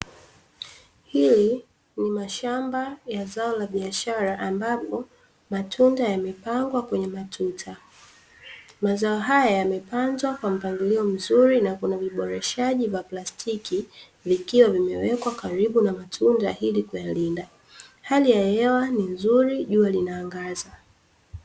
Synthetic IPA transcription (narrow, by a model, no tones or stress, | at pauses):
hili | nimaʃambajazaɔlaɓiaʃaɾaʔambapɔ | matʰundajamɛpaŋɡwakwɛɲɛmatʰutʰa | mazaɔɦajajamɛpanzwakwam̩paŋɡiliɔm̩zuɾinakunaviɓɔɾɛʃaʄivaplastʰikʰi | vikiwavimɛwɛkwakaɾiɓunamatʰundahilikujalinda | halijahɛwaninzuɾiʄualinaːŋɡaza